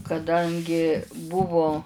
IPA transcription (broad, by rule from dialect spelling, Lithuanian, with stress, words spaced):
kɐˈdɐŋʲɡʲɪ ˈbʊʋʊ